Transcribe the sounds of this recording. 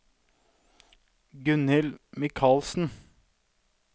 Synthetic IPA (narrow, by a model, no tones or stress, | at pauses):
ɡʉnɪlmɪkʰɑːlsn̩